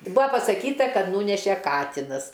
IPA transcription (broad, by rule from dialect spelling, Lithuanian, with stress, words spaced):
ˈbʊɐ pɐsɐˈkʲiːtɐ ˈkɐt ˈnuːnʲɛʃʲɛ ˈkɑːtʲɪnɐs